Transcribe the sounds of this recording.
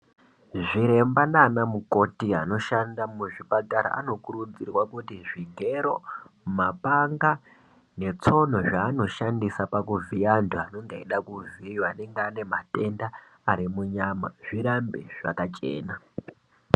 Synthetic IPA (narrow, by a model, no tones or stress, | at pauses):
ʐiɾe̞mbandaːnamuko̞tia̰no̞ʃandamuʐipataɾa̰ʔa̰no̞kuɾud͡zirwakutiʐiɡʱe̞ɾo̞mapaŋɡa | ne̞t͡so̞n̤o̞ʐaːno̞ʃandisapakuviantʰuano̞ŋɡeeɗakuvijwane̞ŋɡeane̞mate̞ndaː | ɾimuɲama̰ʐ̥iɾambḛʐ̥a̰kat͡ʃḛːna